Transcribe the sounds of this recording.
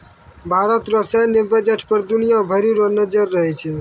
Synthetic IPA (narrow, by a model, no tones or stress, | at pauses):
bʱaɾət̪ɾəsenebed͡ʒeʈʰpəɾd̪unijãbʱəɾiɾonəd͡ʒəɾːəɦɛt͡ʃʰɛ